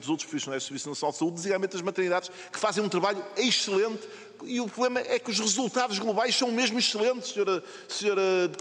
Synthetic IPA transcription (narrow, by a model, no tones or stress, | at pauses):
uzowt̪ɾʃpɾufisiunajʒsɨɾvisnɐsinalˠd̪sɐuððiziɣalˠmẽnt̪ɐʒmɐt̪ɨɾniðaðʃ | kɨ̥fazẽj̃ũt̪ɾɐβaʎueʃɨlˠẽnt̪ | iupɾuβlˠemɐʔɛkuʒʁɨzulˠt̪aðuʒɣlˠuβajʃsɐ̃w̃meʒmuiʃɨlˠẽnt̪ʃsɲoɾɐ | sɲoɾɐ